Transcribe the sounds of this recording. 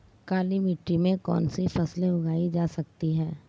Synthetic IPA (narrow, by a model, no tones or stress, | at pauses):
kaːlimɪʈɾimẽkɔ̰ːnsifɐsleʊɡaːid͡ʒaːsɐk̚t̪iɦɛː